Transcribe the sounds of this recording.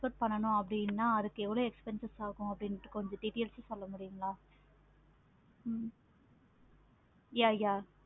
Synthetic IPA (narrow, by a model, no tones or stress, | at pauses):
pɐʈ̚pɐɳːɐnʊ̃ɐp̬ːɐɽɪnːaːɐðɯkːɯɛʋːɐɭoːɛkspɛnsɐsaːkʊ̃ɐpːɐɽɪnɐʈːɯ̥kkɔɲd͡ʒɔ̃ɖɪʈeːlsesɔlːɐmʊɽɪjʊ̃ŋɡɐlãː | jaːjaː